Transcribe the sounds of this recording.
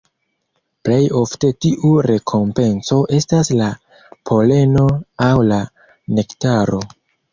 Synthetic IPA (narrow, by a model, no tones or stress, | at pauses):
ple̞jo̞fte̞tiʔuɾe̞kʰo̞mpe̞nso̞ʔe̞stasla | pʰo̞le̞no̞awla | ne̞ktaɾo̞